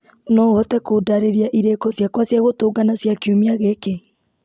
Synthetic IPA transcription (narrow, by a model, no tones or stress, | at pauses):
nɔɔtɛkodaɾeɾiaʔiɾekɔsjakwasjaɣotoːɡanasjakeomiaɣeke